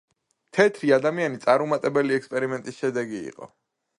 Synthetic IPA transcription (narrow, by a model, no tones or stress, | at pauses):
mt̪ʰɛt̪ʰɾiad̪amianit̪sʼaɾumat̪ʼɛbɛliɛkspʼɛɾimɛnt̪ʼisʃɛd̪ɛɡiḭqʼɔ̰